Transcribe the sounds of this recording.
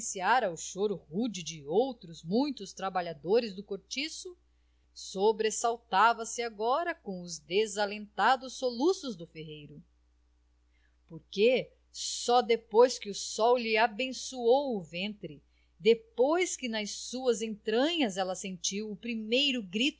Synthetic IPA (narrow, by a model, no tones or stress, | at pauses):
siaɾɐʊʃoɾʊhud͡ʒɪd͡ʒɪowt̪ɾʊzmũj̃t̪ʊst̪ɾabaʎad̪oɾɪzd̪ʊkoɾt͡ʃisʊ | sobɾesawt̪avɐsɪaɡɔɾɐkõʊzd̪ezalẽnt̪ad̪ʊsːolusʊzd̪ʊfeɦejɾʊ | poɾke | sɔd̪epojskɪʊsɔwlɪabẽsuowʊvẽnt̪ɾɪ | d̪epojskɪnɐssuɐzẽnt̪ɾɐ̃ɲɐzɛlɐsẽnt͡ʃiwʊpɾimejɾʊɡɾit̪